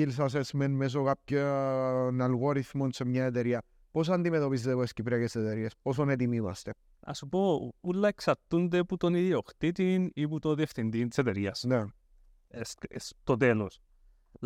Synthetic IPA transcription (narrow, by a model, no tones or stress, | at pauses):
ils̬as̬esmenmes̬okap̚co | nalɣoɾiθmonsemɲaet̪eɾiɐ | pos̬and̪imet̪o̞pizd̪evoescipɾeɐkeset̪eɾiespos̬onet̪imivɐ̰st̪e | a̰supoulːaeksat̪ːunt̪eput̪oniðioxt̪it̪iniput̪oðieft̪ind̪inset̪eɾiɐsne | esest̪ot̪elos